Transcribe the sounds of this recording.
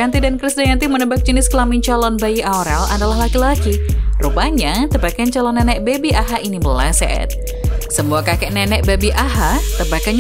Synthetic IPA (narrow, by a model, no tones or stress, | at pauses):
ant̪idankɾisdajant̪imənəbak̚d͡ʒənɪskəlamiɲt͡ʃalɔnbajiaoɾɛla̰dalaɦlakilaɡirupaɲat̪əbakant͡ʃalɔnːɛnɛʔ̚bebiʔaɦaʔinibəlasɛ̰ʔɛ̰t̪̚ | səmuakakɛʔnɛnɛʔ̚bebiʔaɦat̪əbakan